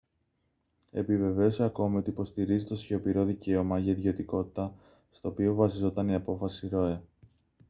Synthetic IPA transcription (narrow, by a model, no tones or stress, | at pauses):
e̞̰pive̞ve̞oseɐko̞mio̞t̪iːpo̞st̪iɾizit̪osço̞piɾo̞ðice̞omɐʝɐiðʝo̞t̪iko̞t̪i̥t̪ɐ | st̪o̞ːpio̞vɐsizo̞t̪ɐniɐpo̞fɐsiɾo̞e